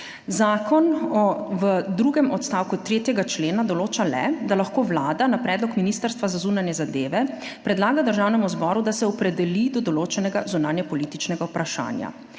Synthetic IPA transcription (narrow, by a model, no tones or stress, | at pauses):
zaːkɔnɔʋəd̪ɾuːɡɛmɔt̪st̪aːwkut̪ɾeːt̪jɛɡat͡ʃleːnad̪ɔloːt͡ʃalɛ̰d̪alaxkoːʋlaːd̪anapɾɛːd̪lɔkminiːst̪əɾst̪ʋazazunanjɛzad̪eːʋɛ | pɾɛd̪laːɡad̪əɾʒaːwnɛmuzbɔːɾud̪asɛɔpɾɛd̪ɛlid̪ɔd̪ɔloːt͡ʃɛnɛɡazunaːnjɛpɔliːt̪it͡ʃnɛɡaupɾaʃa̰ːnja̰